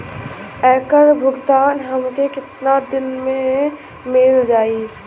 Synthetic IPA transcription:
ɛːkəɾbʱʊɡt̪aːnɦəmkekɪt̪nad̪ɪnmẽ | mɪld͡ʒaːi

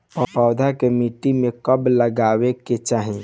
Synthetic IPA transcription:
pə̃paʊd̪ʱakemiʈimekəbləɡaweket͡ʃaːɦi

